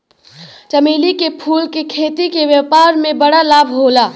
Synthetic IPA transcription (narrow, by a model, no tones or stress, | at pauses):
t͡ʃəmeːlikepʰuːlkekʰeːt̪ikeʋjəpaːɾmẽbəɽalaːbʱɦoːlaː